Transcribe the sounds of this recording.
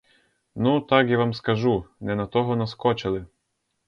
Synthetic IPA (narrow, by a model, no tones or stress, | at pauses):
nut̪ɑkjaʋɑmskɐʒunɛnɐt̪ɔɦɔnɐskɔt͡ʃɪlˠɪ